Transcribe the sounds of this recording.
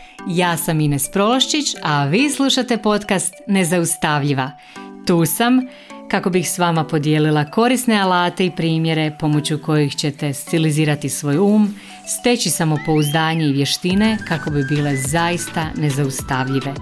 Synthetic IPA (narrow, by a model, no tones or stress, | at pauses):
jaːsaminespɾo̞lˠoʃt͡ʃit͡ɕaʋiːslˠuʃat̪e̞po̞t̪kast̪ne̞zaust̪aʋʎiʋa | t̪uːsam | kako̞bixsʋamapo̞d̪jeːlilˠako̞ɾisne̞alaːt̪e̞ipɾiːmje̞ɾe̞po̞mo̞t͡ɕuko̞jixt͡ɕe̞t̪e̞st̪iliziːɾat̪isʋo̞ːjuːm | st̪e̞t͡ɕisamo̞po̞uzd̪aːɲe̞iʋje̞ʃt̪ine̞kako̞bibiːle̞zajist̪ane̞zaust̪aʋʎiʋe̞